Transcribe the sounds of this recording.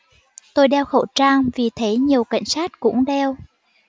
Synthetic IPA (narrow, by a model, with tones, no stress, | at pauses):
t̪o˧jɗɛ˧wxo̰˧˩wt͡ɕaː˧ŋvi˨˩t̪ʰe˨˦ɲi˨˩əwka̰˧˨jŋ̟saː˦˥t̚kʊ̰˧˥ŋ͡mɗɛ˧w